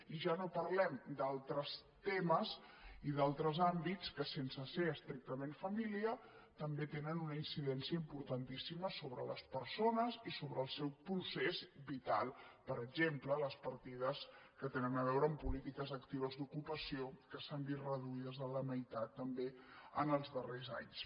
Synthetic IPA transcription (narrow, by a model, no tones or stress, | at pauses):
iʒanopəɾlɛmd̪alˠt̪ɾəst̪eməz | iðalˠt̪ɾəzambit͡skəsensəseəst̪ɾik̚t̪əmẽnfəmiliə | t̪əmbet̪enənunəinsiðɛnsiəimpuɾt̪ənt̪isiməsoβɾə̰lə̰spəɾsonəzisoβɾəːlˠsɛwpɾusezbit̪a̰lˠpəɾəɡʒemplələspəɾt̪ið̞əskət̪enənəβ̞ɛwɾəːmpulit̪ikəzəkt̪iβ̞əzd̪ukupəsiokəsəmbirəðuiðəzələməjt̪at̪ːəmbeənəlˠzðəreza̰ɲs